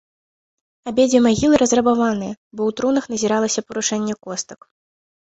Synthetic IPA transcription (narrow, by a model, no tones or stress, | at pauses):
abʲed͡zʲɛmaɣʲilˠɨɾɐzrɐbavanɨjɐbɔwt̪ɾunɐxnɐzʲiɾalˠɐsʲɐpɐɾuʂɛnʲːɛkɔst̪ɐ̥k